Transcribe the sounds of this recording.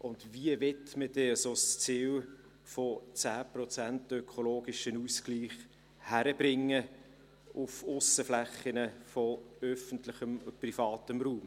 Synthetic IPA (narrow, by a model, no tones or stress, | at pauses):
ʔʊndviəʋɛtməd̥ɛəsost͡siːl | fot͡sæːprɔt͡sæntœkʰoloːɡɪʃənuːskliːχ | hæɾəb̥ɾɪŋːə | ʊfʊsəflæχːənəfɔœfəntlɪχəmprifɑːtəmruːm